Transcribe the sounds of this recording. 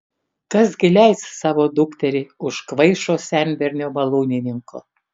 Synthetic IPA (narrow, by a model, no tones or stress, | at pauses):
kɐsɡʲɪlʲæɪssɑːʋoːd̪ʊkt̪ʲɛɾʲɪʊʃkʋɐɪʃoːsʲɛnʲbʲɛɾʲnʲoːmɐlˠuːnʲɪnʲɪŋko̰ː